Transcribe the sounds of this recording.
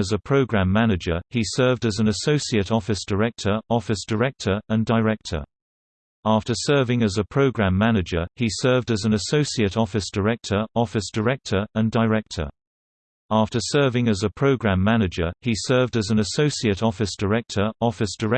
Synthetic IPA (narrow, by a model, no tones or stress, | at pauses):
əzəpʰɹ̥əʊɡɹãmːænɪd͡ʒəisɜːvdəzə̃nəsəʊsiəɾɒfɪsd̥əɹɛk̚tʰəɹɒfɪsd̥əɹɛk̚tʰəɹə̃ndəɪɹɛk̚tʰə̰˞ | ɑˑftəsɜːvɪ̃ŋəzəpʰɹ̥əʊɡɹãmːænɪd͡ʒəisɜːvdəzə̃nəsəʊsiəɾɒfɪsd̥əɹɛk̚tʰəɹɒfɪsd̥əɹɛk̚tʰəɹə̃ndəɹɛk̚tʰə̰˞ | ɑˑftəsɜːvɪ̃ŋəzəpʰɹ̥əʊɡɹæ̃mːænɪd͡ʒəisɜːvdəzə̃nəsəʊsiəɾɒfɪsd̥əɹk̚tʰəɹɒfɪsd̥əɹɛ